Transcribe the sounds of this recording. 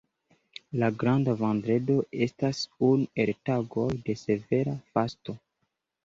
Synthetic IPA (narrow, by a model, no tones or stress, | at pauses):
laɡɾandavandɾe̞do̞ʔe̞stasune̞ltaɡo̞jde̞se̞ve̞ɾafasto̞